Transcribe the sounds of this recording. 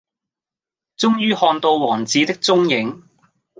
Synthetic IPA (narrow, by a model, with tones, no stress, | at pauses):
t͡sʊ˥ŋjyː˥hɔː˧nt̪o˧wwɔː˨˩ŋt͡siː˨˥t̪ɪ˥k̚t͡sʊ˥ŋjɪ˨˥ŋ